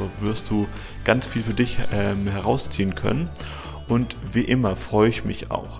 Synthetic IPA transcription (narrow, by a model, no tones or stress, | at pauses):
oːvɪɐst̚d̥uː | ɡ̥ant͡sfiːlfyːɐdɪçʔɛmhɛʁaʊst͡siːənkʰœ̰nən | ʔʊntviːʔɪmɐfʁ̥ɔʏəɪçmɪ̰ça̰ʊx